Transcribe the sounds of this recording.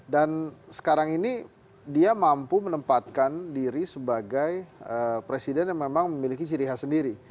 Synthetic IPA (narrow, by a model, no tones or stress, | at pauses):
dansə̥kaɾaŋini | diamampumənəmpat̪̚kandiɾisəbaɡajəpɾesidɛnjaŋmemaŋməmilikit͡ʃəɾiɦasəndiɾi